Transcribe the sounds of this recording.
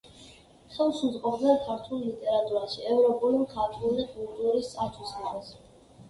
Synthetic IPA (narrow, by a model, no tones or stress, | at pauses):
χɛlˠʃuzqʼɔbd̪nɛnkʰaɾt̪ʰulˠlit̪ʼɛɾat̪ʼuɾaʃiɛvɾɔpʼulimkʰat̪ʰulikʼulˠt̪ʼuɾist̪sʼat̪ʰusaɾs